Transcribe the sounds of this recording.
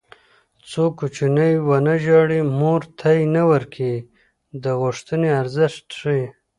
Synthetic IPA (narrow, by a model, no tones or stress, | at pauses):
t͡sokut͡ʃinəjwanaʒɑɽimoɾt̪ʰajnawəɾkʰi | d̪əɣuʂt̪əneaɾzɪʂt̪ʂi